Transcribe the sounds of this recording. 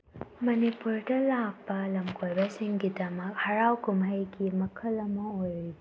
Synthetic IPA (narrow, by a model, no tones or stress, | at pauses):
mɐnipuɾdɐlaɡ̚bɐlɐmkʰojbɐsiŋɡidɐmɐk̚hɐɾawkumɦɐjɡimɐkʰɐlɐmɐojii